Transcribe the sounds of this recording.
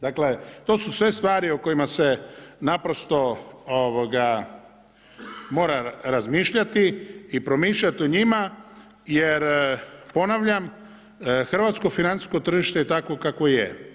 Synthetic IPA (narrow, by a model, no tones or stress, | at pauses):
d̪akle̞t̪o̞ːsusʋe̞st̪ʋaːɾioko̞imase̞napɾo̞st̪o̞oʋoɡa | mo̞ːɾaɾazmiːʃʎat̪iːpɾomiːʃʎat̪ioɲima | jeɾpo̞naʋʎam | xr̩ʋat̪sko̞finant̪i̥sko̞t̪r̩ʒiʃt̪et̪ako̞kakoijḛ